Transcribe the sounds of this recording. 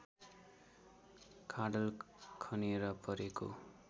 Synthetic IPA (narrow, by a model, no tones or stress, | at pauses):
kʰaɽʌlkʰʌnieɾʌpʌɾeko̰